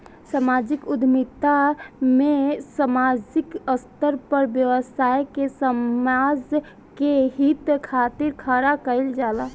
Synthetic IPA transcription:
samad͡ʒikud̪ʱmit̪amesəmad͡ʒikəst̪əɾpəɾbjəʋəsajkesəmad͡ʒ | keɦit̪kʰat̪iɾkʰəɾakəɪld͡ʒala

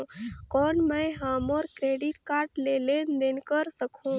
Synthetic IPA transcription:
kɔːnmə̃jɦaːmɔːɾkɾeːɖiʈkaːɾʈlelend̪enkəɾsəkʰũː

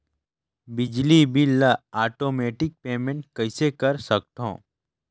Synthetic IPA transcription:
bɪd͡ʒlibʱiləaːʈoːmeːʈɪk̚peːmẽɳʈ̚kɐɪsekɐɾsɐk̚t̪õ̰ː

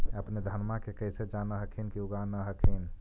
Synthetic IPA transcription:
əpned̪ʱənmakekəɦsed͡ʒanəɦəkʰinkiuɡanəɦəkʰin

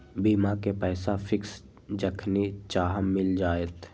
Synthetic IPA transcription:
biːmãkepɛːsafʰɪks | d͡ʒəkʰnit͡ʃaːɦəːɪld͡ʒaːet̪

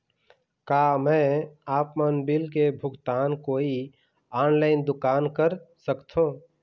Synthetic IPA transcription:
kaːmɛ̃aːpmənbɪlkebʱʊɡt̪aːnkoːi | aːnlaːɪnd̪ʊkaːnkəɾsəkt̪ʰɦũː

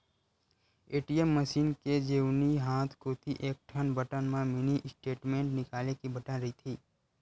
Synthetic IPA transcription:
eːʈijemːəsiːnked͡ʒeːniɦaːt̪ʰkoːt̪ʰiʔeːk̚ʈʰənbəʈənmãmɪniʔɪsʈeːʈmẽːɳʈnɪkaːlekibɐʈənɾɐɦit̪ʰiː

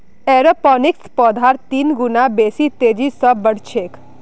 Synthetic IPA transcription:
eːɾəpɔnɪkspɔːd̪ʱaɾt̪iːnɡʊnabeːsit̪eːd͡ʒisəbːəɽ̤t͡ʃʰek

